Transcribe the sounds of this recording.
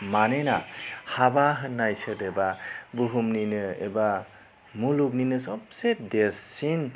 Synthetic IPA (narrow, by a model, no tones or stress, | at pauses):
manenahabaɦɯnːajsɯdebabuɦumninɯḛba | muluk̬̚ninɯsɔp̚sedeɾssin